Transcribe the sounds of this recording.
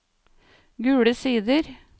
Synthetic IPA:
ɡʉːɽəsiːd̪əɾ

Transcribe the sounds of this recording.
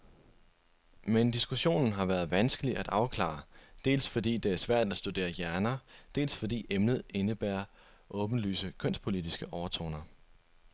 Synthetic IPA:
mend̥isɡ̥uɕo̝̰ːnn̩ɦɑ̈ʋæːɐð̩ˠʋænsɡ̥əliʔæd̥ɑ̈ʊkʰlɑ̰̈d̥e̝̰ːlsfɒ̽d̥ḭːd̥e̝æɐsʋæɐ̰d̥æsd̥ud̥e̝̰ːɐjæɐnɐd̥e̝̰ːlsfɒ̽d̥ḭːemnð̞̩ˠe̝nəb̥æːɐ | ʔɔ̽ːb̥n̩ly̰ːsəkʰœn̰spʰo̝lid̥isɡ̥əʔɒʊɐt͡sʰo̝̰ːnɐ

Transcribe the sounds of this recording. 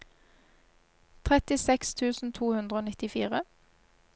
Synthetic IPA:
t̪ʰʁɛt̪ɪsɛkst̪ʰʉːsn̩t̪ʰuːhʉnd̪ʁəoːnɪt̪ɪfiːʁə

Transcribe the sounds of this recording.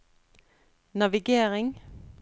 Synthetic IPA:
nɑʋɪɡeːʁɪŋ

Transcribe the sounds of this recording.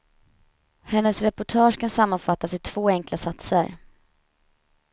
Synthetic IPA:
hɛnːəsɾɛpʊʈʰɑːʂkʰansamːanfat̪ːasɪt̪ʰv̥oːɛŋklasat̪səɾ

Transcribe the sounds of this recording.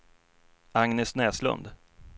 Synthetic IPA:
aŋnɛsnɛːslɵ̰nd̪

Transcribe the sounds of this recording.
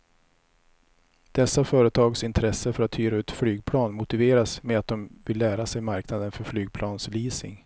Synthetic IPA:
d̪̥ɛsːafœːɾət̪ʰɑːɡsɪnt̪ʰɾɛsːəfœɾat̪ʰːyːɾaʉ̟ːt̪flyːɡ̚pʰlɑːnmʊt̪ɪveːɾasmeat̪̚d̪ɔmvɪlːæːɾasɛjmaɾknad̪ənfœɾflyːɡ̚pʰlɑːnsliːsɪ̰ŋ

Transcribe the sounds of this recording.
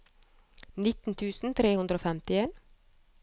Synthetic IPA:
nɪt̪n̩t̪ʰʉːsn̩t̪ʰɾeːhʉnd̪ɾoːfɛmt̪ɪeːn

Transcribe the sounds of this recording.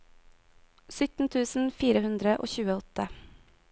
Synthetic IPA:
sʏt̪n̩t̪ʰʉːsn̩fiːɾəhʉnd̪ɾəʔo̰ːçʉːəɔt̪ə

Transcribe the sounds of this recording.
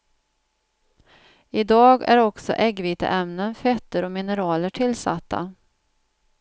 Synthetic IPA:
ɪd̪ɑːɡæ̰ɾɔksɔ̰ʔɛɡviːt̪ə̰ʔɛmnənfɛt̪ːəɾɔmɪnəɾɑːləʈʰɪlːsa̰t̪ʰːa̰

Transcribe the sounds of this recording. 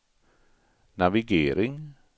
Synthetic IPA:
naʋɪɡeːɾɪŋ

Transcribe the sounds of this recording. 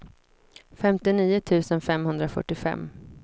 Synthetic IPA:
fɛmt̪ɪniːʊt̪ʰʉ̟ːsənfɛmhɵnd̪ɾafœ̰ʈːɪfɛ̰mː

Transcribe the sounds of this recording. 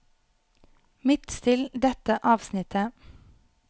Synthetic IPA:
mɪt̪st̪ʰɪld̪ɛt̪əʔɑːʋsnɪt̪ʰə

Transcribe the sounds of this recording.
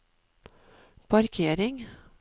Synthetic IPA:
pʰɑɾkʰeːɾɪŋ

